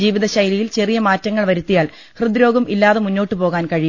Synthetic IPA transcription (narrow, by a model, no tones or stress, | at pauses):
iːʋiðɐɕɐjlijilt͡ɕe̞rijɐmaːtːɐŋːɐɭʋɐɾut̪ːijaːɭ | hrɨd̪iɾo̞ːɡɐmʔilːaːðemunːoːʈːɨpo̞ːɣaːnkɐɻij